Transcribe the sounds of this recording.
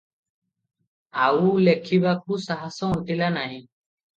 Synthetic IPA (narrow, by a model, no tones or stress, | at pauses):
aulekʰibak̚uːsaɦasɔ̃ʊ̃ɳʈilaːnaːɦĩː